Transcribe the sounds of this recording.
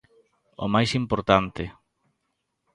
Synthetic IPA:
o̰majsimpoɾt̪ant̪ɪ

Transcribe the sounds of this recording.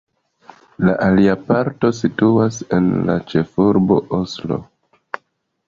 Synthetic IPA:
laʔaliapaɾto̞situase̞nla̰t͡ʃe̞fuɾbo̞̰ʔoslo̞̰

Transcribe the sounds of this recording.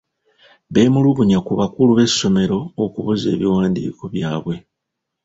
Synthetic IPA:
βe̞ːmuluβuɲakuβakuluβe̞so̞me̞ɾo̞ːkuβuze̞̰ːβiwaːndḭːko̞βjaːβwe̞

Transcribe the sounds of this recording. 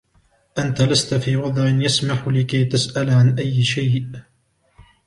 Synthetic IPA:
ʔant̪alast̪afiːwɑd̪ˤʕɪnjasmaħlɪkajt̪asʔalʕanʔajːɪʃajʔ

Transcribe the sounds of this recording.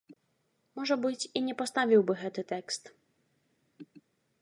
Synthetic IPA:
mɔʐɛbɨt͡ɕʲiɲʲɛpɔst̪avʲiwbɘɣɛt̪ɨt̪ɛkst̪

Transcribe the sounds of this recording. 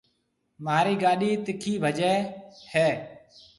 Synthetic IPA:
maːɾiːɡaːɗiːt̪ɪkʰiːbʱəd͡ʒɛːheː

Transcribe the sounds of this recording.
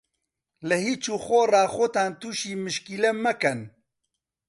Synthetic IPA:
ləhiːt͡ʃuːxorɑːxot̪aːnt̪uːʃiːmɨʃkilɛmɐkɛn

